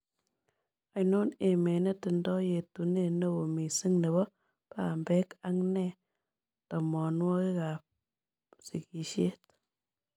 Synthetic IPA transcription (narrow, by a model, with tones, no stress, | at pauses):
a˨jno˦ne˨me˨ne˦tɪ˨ndɔ˦je˨tu˨ne˦˨ne˦wo˨mi˨si˦ŋne˨βɔ˦ | pa˨mbɛ˦ka˦ŋnɛ˦ | tɔ˨mɔ˨nwɔ˦ke˦ka˨p̚ | si˨ki˨ʃe˦t